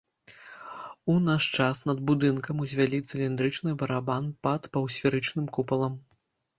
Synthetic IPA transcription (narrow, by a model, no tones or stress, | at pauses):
unaʂt͡ʂasnɐd̪̚bud̪ɨnkɐmuzʲvʲalʲit̪sɨlʲind̪ɾɨt͡ʂnɨbɐɾabanpɐt̪pɐwsʲfʲiɾɨt͡ʂnɨmkupɐlˠɐm